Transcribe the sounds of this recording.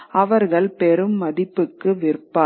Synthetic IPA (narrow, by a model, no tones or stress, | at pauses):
ɐʋɐɾɣɐɭpɛɾɯmːɐðɪpːɯkːɯʋɪɾpːaː